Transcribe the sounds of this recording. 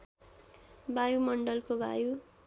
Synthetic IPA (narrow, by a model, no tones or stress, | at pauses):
bajumʌɳɖʌlkobʱa̰ju